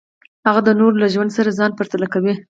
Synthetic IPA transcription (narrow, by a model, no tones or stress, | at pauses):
haɣad̪ənoɾlaʒwand̪saɾazɑnpaɾt̪alakawi